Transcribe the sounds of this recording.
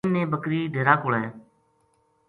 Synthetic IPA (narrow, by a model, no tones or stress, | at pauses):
nnẽːbəkɾiːɖʱeːɾaːkoːleː